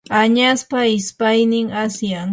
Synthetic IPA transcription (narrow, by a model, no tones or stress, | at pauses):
aɲaspaɪspajnɪŋasja